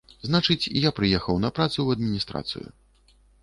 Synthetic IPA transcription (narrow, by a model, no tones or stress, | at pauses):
znat͡ʂɨt͡sʲijapɾɨjɛxɐwnɐpɾat̪suwɐd̪̚mʲinʲist̪ɾa̰t̪sɨ̰jṵ